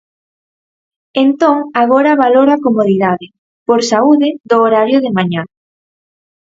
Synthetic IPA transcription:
ent̪oŋaɣ̞oɾɐβaloɾakomoðiðaðɪ | poɾsauðɪðoːɾaɾjʊðɪmaɲa

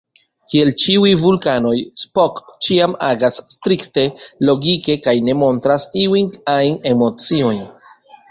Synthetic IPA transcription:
kie̞lt͡ʃiujvulkano̞jspokt͡ʃiamaɡasːtɾikte̞lo̞ɡike̞kajne̞mo̞ntɾasiujnajne̞mo̞t͡sio̞jn

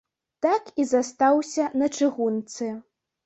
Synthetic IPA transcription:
t̪akizast̪awsʲɐnɐt͡ʂɨɣunt̪sɨ

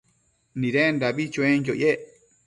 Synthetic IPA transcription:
nĩɾendaβit͡ʃuẽjoʔje

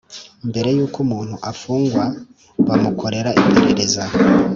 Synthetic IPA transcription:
imbe̞ɾe̞juːkumuːn̥huʔafuːŋɡwa | βamukʰo̞ɾe̞ɾaʔipʰe̞ɾe̞ɾe̞za

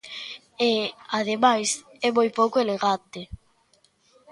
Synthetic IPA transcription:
eaðemajs | ɛmojpowkoeleɣat̪e

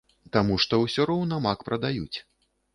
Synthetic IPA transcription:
t̪amuʂt̪ɔwsʲɔɾɔwnɐmakpɾɐd̪ajut͡sʲ

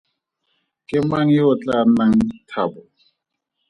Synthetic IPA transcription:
kʼɪmaŋ̩jʊt͡ɬʼanaŋ̩tʰabʊ

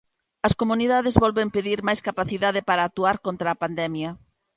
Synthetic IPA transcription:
ɐskomuniðaðɪzβɔlβempeðiɾmajskapaθiðaðɪpaɾaːt̪uaɾkont̪ɾaːpand̪ɛmjɐ

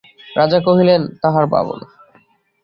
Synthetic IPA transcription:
ɾad͡ʑakoɦilent̪aɦaɾba̰bo̰n

